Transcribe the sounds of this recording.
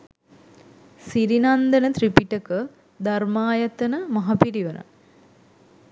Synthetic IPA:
siɾinand̪ənət̪ripiʈəkə | d̪armaːjɐt̪ənəmɐɦɐpiɾiʋənə̰

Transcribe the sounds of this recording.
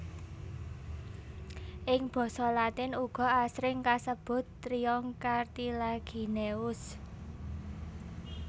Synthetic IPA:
ʔɪŋb̥ɔ̤sɔlat̪ɪnuɡ̥ɔ̤asɾɪŋkasəb̥ʊ̤t̪ːɾiɔŋkart̪ilaɡ̥i̤neʊs

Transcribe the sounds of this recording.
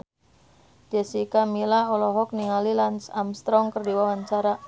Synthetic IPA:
d͡ʒɛsikamilaɔlɔɦɔk̚niŋalilansamst̪ɾɔŋkərdiwawaɲt͡ʃaɾa

